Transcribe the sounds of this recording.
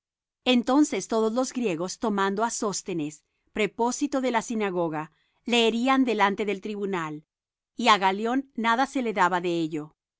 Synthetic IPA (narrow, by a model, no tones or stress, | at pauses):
e̞nt̪o̞nse̞st̪o̞ðo̞zlo̞zɡɾje̞ɣo̞st̪o̞mãnd̪oaso̞st̪e̞ne̞s | pɾe̞po̞sit̪o̞ðe̞lasinaɣo̞ɣa | le̞ːɾiand̪e̞lant̪e̞ðe̞lt̪ɾiβunal | iaɣaljo̞nːaðase̞le̞ðaβaðe̞eʝo̞